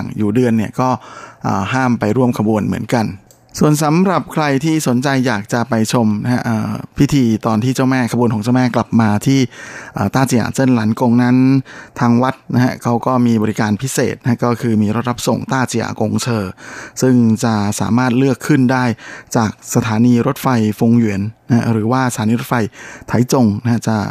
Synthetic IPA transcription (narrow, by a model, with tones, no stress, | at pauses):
ŋjuː˨˩dɯ˧ənːi˥˩əkɔː˥˩ʔə̰ː˨˩ɦaː˥˩mpa˧jɾu˥˩əmkʰa˧bu˧ənmɯ̰˩˦ənka˧n | su˨˩ənsa˨˦mɾa˨˩p̚kʰɾa˧jt̪ʰiː˥˩so˩˦nt͡ɕa˧jːaː˨˩k̚t͡ɕa˨˩ʔpa˧jt͡ɕʰo˧mna˦˥hʰa˦˥ʔəː˨˩pʰi˦˥t̪ʰiː˧t̪ɔː˧nt̪ʰiː˥˩t͡ɕa˥˩wmɛː˥˩kʰa˧bu˧nkɔː˨˩˦t͡ɕa˥˩wmɛː˥˩kla˨˩p̚maː˧t̪ʰiː˥˩ʔəː˨˩t̪aː˥˩t͡ɕʰi˨˧˩a̰˨˩se˥˩nlaː˨˩˦nko˧ŋna˦˥nt̪ʰaː˧ŋwa˦˥t̪̚na˦˥ha˦˥kʰa˦˥wkɔː˥˩miː˧bɔː˧ɾi˦kaː˧npʰi˦˥sḛː˨˩t̪̚na˦˥a˥kɔː˥˩kʰɯː˧miː˧ɾo˦t̪̚ɾa˦˥p̚so˨˩ŋt̪aː˥˩t͡ɕi˨˧a̰˧˦ko˧ŋt͡ɕʰɤː˧sɯ˥˩ŋt͡ɕa˨˩sa̰ː˩˦maː˥˩t̪̚lɯ˥˩əkʰːɯ˥˩ndaː˥˩jt͡ɕaː˨˩k̚sa˧t̪ʰaː˩˦niː˧ɾo˦˥t̪̚fa˧jfo˧ŋwi˩˦ənːa˦ha̰˦˥ɾɯː˩˦waː˥˩sa˩t̪ʰaː˨˦niː˧ɾo˦˥t̪̚fa˧jt̪ʰa˨˩˦jt͡ɕo˧ŋna˦˥ha˦˥t͡ɕa˨˩